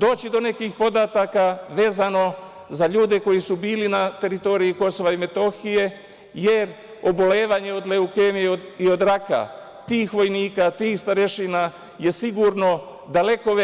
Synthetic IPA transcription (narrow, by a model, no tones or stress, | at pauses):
d̪o̞ːt͡ɕid̪o̞ne̞kixpo̞d̪at̪akaʋe̞ːzano̞ | zaʎuːd̪e̞ko̞jisubiːlinat̪e̞ɾit̪o̞ːɾiiko̞so̞ʋaime̞t̪o̞xije̞ | je̞ɾ | o̞bo̞le̞ːʋaɲe̞o̞d̪le̞ukemiio̞d̪ɾaka̰ | t̪iːxʋo̞jniːkat̪iːxst̪aɾe̞ʃina | je̞siɡuɾno̞ | d̪ale̞ko̞